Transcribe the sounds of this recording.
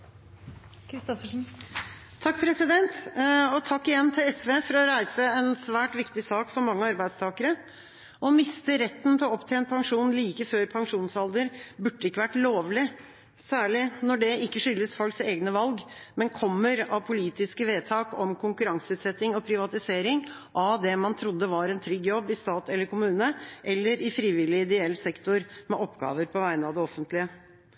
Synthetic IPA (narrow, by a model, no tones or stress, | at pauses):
kʰɾɪst̪ɔfəʂn̩ | t̪ʰɑkːpʰɾɛsɪd̪ɛnt̪ɔt̪ʰɑkːɪjɛnːt̪ʰɪlɛsʋeːfɔɾɔɾæɪsəɛnsʋæːʈʋɪkt̪ɪsɑːkfɔɾmɑŋːəɑɾbæɪd̪st̪ʰɑːkəɾə | ʔɔmɪst̪əɾɛt̪ːn̩t̪ʰɪlɔɔpt̪ʰɛːɛnpʰɑŋʂuːnliːkəføːɾpʰɑŋʂuːnsɑld̪əɾbʉɖːəɪkːəʋæʈːloːʋlɪ | sæːɭɪnɔɖɛɪkːəʂʏlːəsfɔlkseːɡnəʋɑlɡmɛnkʰɔmːəɾɑʋpʰʊliːt̪ɪskəʋeːt̪ʰɑːkɔmkʰʊŋkʉɾɑŋsəʉːt̪sɛt̪ːɪŋɔpʰɾɪʋɑt̪ɪseːɾɪŋ | ʔɑd̪ɛmɑnt̪ʰɾʊd̪ːəʋɑɾɛnt̪ʰɾʏɡjɔbːɪst̪ɑːt̪ɛlːəɾkʰʊmʉːnəʔɛlːəɾɪfɾiːʋɪlɪɪd̪ɛɛlsɛkt̪ʊɾmɛʔɔpːɡɑ̰ːʋəɾpʰɔʋæɪnəɑʋd̪ɛɔfːənt̪lɪə